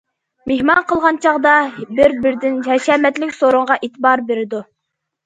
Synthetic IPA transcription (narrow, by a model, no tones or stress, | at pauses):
mehmɑnqʰəlˠʁɑnt͡ʃʰɑʁd̪ɑbɪɾbɪɾd̪ɪnjɛʃɛːmɛt̪lɪkʲsoɾʊɴʁɑʔet̪ʰbɑɾbeɾɪd̪u